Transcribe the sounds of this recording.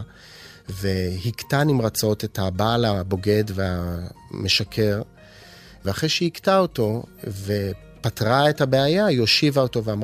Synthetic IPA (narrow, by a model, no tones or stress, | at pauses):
ve̞hiktanimʁat͡sao̞te̞thabalabo̞ɡe̞dveame̞ʃakʰe̞ʁ | veaχʁejʃehiktao̞to̞ve̞ | patʁae̞thabeajajo̞ʃivaoto̞veam